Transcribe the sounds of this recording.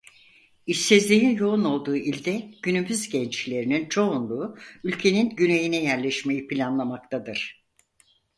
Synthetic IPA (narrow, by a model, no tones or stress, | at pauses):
iʃsɛzlʲejinjo̞uno̞lˠd̪uːʔilʲd̪ɛɟ̥ynymyzɟɛnt͡ʃlʲe̞ɾinint͡ʃʰo̞unlˠuːylʲcʰe̞ninɟyne̞jinɛjæɾlʲɛʃme̞jipʰilʲanlˠamak̚t̪ʰad̪ɯɾ̥